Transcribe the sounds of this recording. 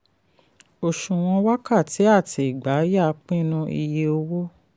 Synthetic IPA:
o˨ʃũ˨w̃ɔ̃˧wa˦ka˦˨ti˨˦a˦˨tʰi˨i˨ɡ͡ba˨˦ja˦˨˦k͡pĩ˦nũ˧ʔḭ˧je˧o˧wo˦

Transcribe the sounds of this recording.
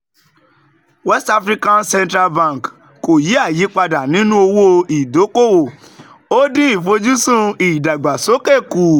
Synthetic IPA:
wɛ˦sta˧fɾi˧˦kã˧nsɛ̃˧ntɾa˧lbã˦˨k | ko˨ji˨˦a˦˨ji˨˦k͡pa˧da˨nĩ˨˦nũ˦o˧wo˦˧i˨do˨˦ko˦˨wo˨ | o˦dĩ˦ĩ˦˨fo˧d͡ʒu˦sũ˦i˨da˨ɡ͡ba˨so˨˦ke˦˨ku˨

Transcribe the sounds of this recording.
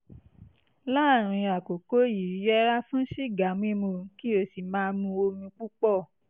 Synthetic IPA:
la˦˨ɾ̃ĩ˧a˨ko˨ko˦ji˨˦jɛ˦ɾa˦fũ˦ʃi˦˨ɡa˨˦m˦ĩ˦mõ˧˦ki˦o˧si˨mãː˦mũ˧o˧mĩ˧k͡pu˦k͡pɔ˦˨

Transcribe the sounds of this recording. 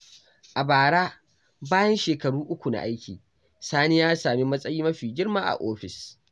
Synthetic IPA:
ʔa˨baː˨ɽaː˦ | baː˦jɐ˦nʃeː˨kɐ˨ɽuː˦ʔʊ˦kʷu˨na̰˨ʔa˦jkʲiː˨ | saː˦neː˦jaː˦saː˨mi˦mɐ˦sʼɐ˦jiː˦mɐ˦ɸiː˨ɡʲɪ˦ɽmaː˦ʔa̰˨ʔoː˦ɸɪ˨s

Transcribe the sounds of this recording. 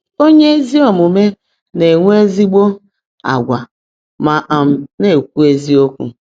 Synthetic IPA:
o˦ɲe˦e˦zi˦ɔ˨mu˨me˦ | ne˨ŋʷ˦e˦zi˦ɡ͡bo˦ | a̰˨ɡʷa˨ | ma˨ʔa˨m̩˨ne˨k̚ʷu˦e˦zi˦o˦kʷṵ˨

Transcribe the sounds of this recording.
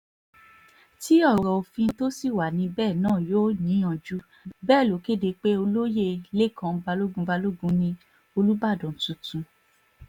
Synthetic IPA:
ti˨˦ɔ˦˨ɾɔ˧o˧fĩ˧˦to˦si˦˨wa˨nĩ˧bɛː˦˨nãː˦˨joː˦ɲĩ˨˦ã˨d͡ʒu˦ | bɛː˦˨lo˨˦ke˦˨de˨˧k͡pe˦o˧lo˦je˦˨le˦˨kʰã˧ba˧lo˦ɡũ˧˦ba˧lo˦ɡũ˧˦nĩ˧ | o˧lu˦ba˦˨dɔ̃˨tũ˨˧tũ˧

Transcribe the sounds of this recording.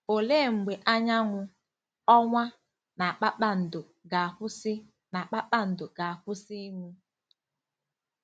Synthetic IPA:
o˨le˦˨ŋ͡m̩˨ɡ͡be˨ʔa˦ɲa˦ŋʷʊ˦ | ɔ˦ŋʷa˦ | na˨a˨k͡pa˦k͡pa˦n̩˨dʊ˨ | ɡa˨ɸʊ˦sɪ˦ | na˨k͡pa˦k͡pa˦n̩˨do˨ɡa˨a˨ɸʊ˦si˦ŋʷu˦

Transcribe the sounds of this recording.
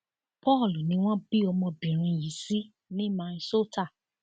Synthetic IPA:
pɔ˦˨lu˨nĩ˧˦w̃ɔ̃˦bi˦ɔ˧mɔ̃˧bĩ˨ɾ̃ĩ˧ji˨˦si˦ | nĩ˦mã˧nĩ˧so˦ta˦˨

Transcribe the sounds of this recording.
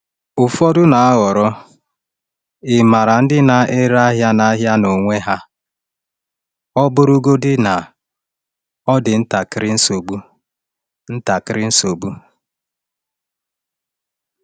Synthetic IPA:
ʊ˨fɔ˦dʊ˦na˨a˦ɣɔ˨ɾɔ˦ | ɪ˨ma˨ɾa˨n̩˦dɪ˦na˨ʔe˦ɾa˦ɦja˦na˦ɦja˦no˨ŋʷe˦ɦa˦ | ɔ˦bʊ˦ɾʊ˦ɡo˦dɪ˦na˨ | ɔ˦dɪ˨n̩˦ta˨kɪ˦ɾɪ˦n̩˦so˨bu˦ | n̩˦ta˨kɪ˦ɾɪ˦n̩˦so˨bu˦

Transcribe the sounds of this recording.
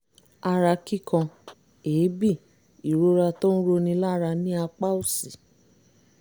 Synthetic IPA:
a˧ɾa˧ki˦˨kã˧ | eː˨˦bi˦˨ | i˨ɾo˦ɾa˧tɔ̃˦n̩˦ɾo˧nĩ˧˦la˦ɾa˧nĩ˦a˧k͡pa˦u˦˨si˨

